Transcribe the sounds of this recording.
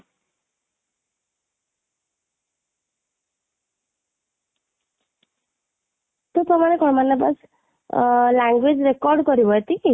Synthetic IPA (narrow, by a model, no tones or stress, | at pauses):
t̪opɾɔmanekɔɽmanaba̰s | laŋɡwed͡ʒɾekɔɾɖkɔɾibɔjt̪iki